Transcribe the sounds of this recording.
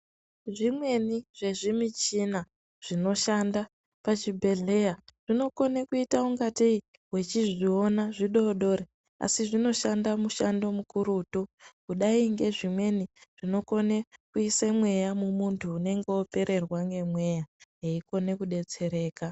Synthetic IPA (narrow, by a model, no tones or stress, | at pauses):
ʐimwe̞niʐ̥e̞ʐimit͡ʃina | ʐ̥ino̞ʃanda | pat͡ʃibʱe̞ɮe̞jaʐ̥ino̞ko̞nekuitauŋɡatii | we̞t͡ʃiʐio̞naʐiɗo̞ɗoɾe | a̰siʐino̞ʃandamuʃando̞mukuɾuːtukuɗaiŋɡe̞ʐimwe̞niʐ̥ino̞ko̞nekuisamwe̞jamumuntʰuːne̞ŋɡeope̞ɾʔe̞rwaŋɡe̞mwe̞jaɦeiko̞ne̞kuɗe̞t͡se̞ɾe̞ːka